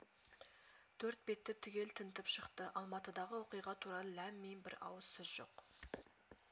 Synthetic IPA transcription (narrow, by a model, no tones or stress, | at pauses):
t̪ʰɵɾt̪̚be̞t̪ːɪt̪ʰʏɡʲe̞lt̪ʰənt̪ɪpʃəqt̪əʔɑlˠmɑt̪əd̪ɑʁəwo̞qijʁɑt̪ʰuɾɑlˠəlæmːejnbɪ̰ɾɑ̰wəz̥sʏzʒo̞̰q